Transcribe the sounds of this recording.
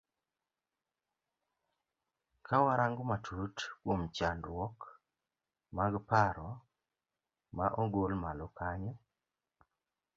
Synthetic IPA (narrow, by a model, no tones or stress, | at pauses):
kʰawaɾaŋɡomatʰutkomt͡ʃandwɔk | maɡpaɾɔ | maʔoɡolmalɔkʰaɲɛ